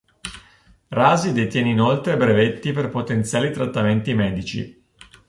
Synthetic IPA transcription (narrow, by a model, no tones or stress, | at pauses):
raːzid̪et̪jɛːneinolt̪ɾebɾevet̪ːiperpot̪ent̪sjaːlit̪ɾat̪ːament̪imɛːd̪it͡ʃḭ